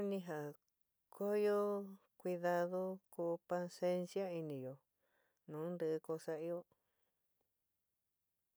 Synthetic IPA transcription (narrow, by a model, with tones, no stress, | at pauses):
nĩ˧ɦa˨ | kʰo˦jo˦ | kʷi˧ða˧ðo˦ku˧pa˧se˧nsi˦a˦i˧nĩ˨jo˨ | nũː˨˦nd̪ɨ˧ʔɨ˧ko˧sa˧i˧jo˦